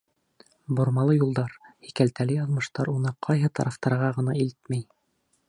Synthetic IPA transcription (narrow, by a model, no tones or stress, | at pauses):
bŏɾmɑlˠɤjulˠd̪ɑɾhikælt̪ælɘjɑðmɤ̆ʃt̪ɑɾunɤqʰɑjɦɤt̪ɑɾɑft̪ɑɾʁɑʁɤ̆nɑilt̪mæj